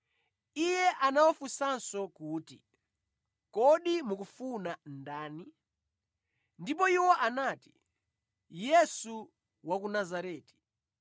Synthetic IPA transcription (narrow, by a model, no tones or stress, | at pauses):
ijɛʔanawɔfusansɔkuːtḭ | kɔɗimukufunandaːni | ndip̬ɔiwɔʔanati̥ | jɛsu | wakunazaɾɛːti̥